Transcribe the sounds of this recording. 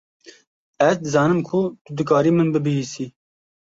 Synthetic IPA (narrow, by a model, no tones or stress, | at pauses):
ɛzd̪ɨzɑːnɨmkʰut̪ʊd̪ɨkɑːɾiːmɨnbɨbɨɦiːsiː